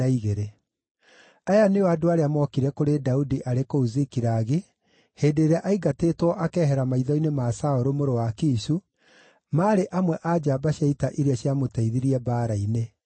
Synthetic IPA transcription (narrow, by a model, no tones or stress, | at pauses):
aiɣeɾe | ajaneoadoaɾeamɔkiɾɛkoɾedaudiʔaɾekouzikiɾaɣe | heːndeːɾeaʔaiɡateːtwɔʔakɛːɦɛɾamaiðɔinemasaoɾomoɾowakiːsu | maːɾeʔamwɛʔad͡ʒabaɕjaitaʔiɾeaɕjamotaiðiɾiɛbaːɾaine